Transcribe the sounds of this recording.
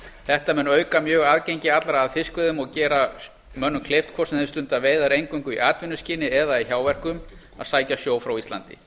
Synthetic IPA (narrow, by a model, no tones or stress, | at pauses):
θɛht̪amɛnːœːɥkamjœːɣaːðcejɲcɪat̪lɾaːðfɪskvɪðʏmɔɣcɛːɾa | mœnːʏmkʰlejft̪kʰvɔsɛɪst̪ʏnt̪aveːjðaɾejŋkviŋkʏḭʔaːt̪vɪnːʏsciːnɪɛðaiçjaːwvɛr̥kʏm | a̰ðsaːjcasjoːwfɾawist̪a̰nt̪ɪ̰